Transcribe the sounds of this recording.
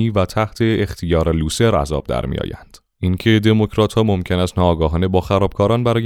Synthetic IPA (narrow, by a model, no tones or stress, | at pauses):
iːvæt̪ʰæht̪ʰe̞ːxt̪ʰijɒːɾeluːse̞ɾæ̰zɒ̰ːb̥̚d̪æ̰ɾmḭjɒ̰ːjæ̰nd̪̥ | incʰe̞d̪e̞mo̞kcʰɾɒːt̪ʰhɒːmo̞mcʰe̞næst̪nɒːɡɒːɦɒːne̞bɒːxæɾɒːb̥kʰɒːɾɒːnbæɾɒːj